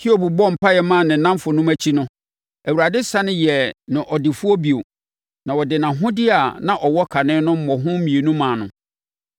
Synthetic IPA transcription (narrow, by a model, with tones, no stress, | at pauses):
kʰi˦o˦bu˨bɔ˦m̩˨pa˦jɛ˨mã˦˨nɪ̃˨nã˦m˦fʊ˨nʊ̃˦mæ˦t͡ɕʰi˦nʊ̃˦ | æ˨wu˨ɾa˨dɪ˦sa˦nɪ̃˦jɛ˨nɪ̃˨ʔɔ˨dɪ˨fu˦ɔ˦bi˨o˨ | nã˨wɔ˨dɪ˨nã˨ɦʊ̃˦dɪ˦a˨nã˦ʔɔ˨wɔ˦kʰa˨nɪ̃ː˦nʊ̃˦m̩˦mɔ̃˨ɦʊ̃˦m̩˦mĩ˨e˨nũ˦mãː˨nʊ̃˨